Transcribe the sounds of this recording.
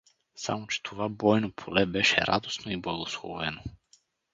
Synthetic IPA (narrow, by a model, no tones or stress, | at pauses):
sa̰mot͡ʃɛ̥t̪ʰovabɔjnopʰolɛbɛʃɛ̰ɾʔa̰d̪osnoiblˠaɡoslˠo̰vɛno